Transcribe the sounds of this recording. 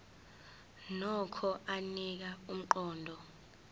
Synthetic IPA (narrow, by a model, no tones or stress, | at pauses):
nɔkʰɔʔanik̬aum̩ǃɔːndʱɔ